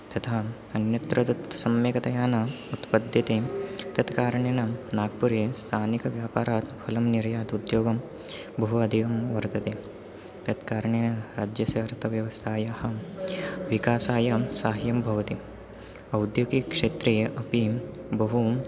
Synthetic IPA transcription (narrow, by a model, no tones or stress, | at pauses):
t̪ɐt̪ʰaː | ɐnjɐt̪ɾɐt̪ɐt̪sɐmjeːkɐt̪ɐjaːnɐ | ut̪pɐd̪jɐt̪eːt̪ɐt̪kaːɾɐɳeːnɐnaːɡpuɾjest̪ʰaːnikɐʋjaːpaːɾaːt̪pʰɐlɐmniɾjaːt̪ud̪joːɡɐm | bɐɦuɐd̪ʱiːʋɐmʋɐɾt̪ɐt̪eː | t̪ɐt̪kaːɾɐɳeːnɐɾaːd͡ʒjɐsɐːɾt̪ʰɐʋjɐʋɐst̪ʰaːjahɐ | ʋikaːsaːjɐsaːɦjɐmbʱɐʋɐt̪i | ɐwd̪joːɡikʂeːt̪ɾeːjɐʔɐpi | bɐɦu